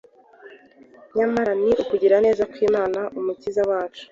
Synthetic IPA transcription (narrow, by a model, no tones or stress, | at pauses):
ɲamaɾaniʔukuɟiɾane̞ːzakwiːmaːnaʔumucizawaːt͡ʃu̥